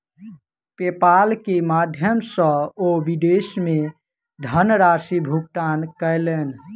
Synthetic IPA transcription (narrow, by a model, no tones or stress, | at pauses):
pepalkemad̪ʱjəmsə̃oʋid̪esme | ɖ̪ʱənɾasibʱuk̚ʈankəjlen